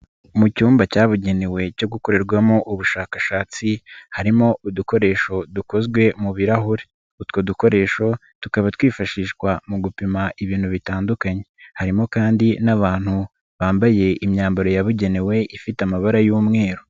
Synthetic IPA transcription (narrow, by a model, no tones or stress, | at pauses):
mucuːmbacaːβuɟe̞newe̞co̞ɡuko̞ɾe̞ɾɡwamo̞ʔuβuʃaːkaʃaːt͡sihaɾimo̞uduko̞ɾe̞ʃo̞duko̞zɡwe̞muβiɾaɦoɾe | utkoduko̞ɾe̞ːʃo̞ | tukaβatwiːfaʃiːʃkwamuɡupimaʔiβiːnhuβitaːndukaɲe̞haɾimo̞kaːndinaβaːn̥hu | βaːmbaje̞imɲaːmbaɾo̞jaβuɟe̞newe̞ʔifitamaβaɾajuːmŋe̞ːɾo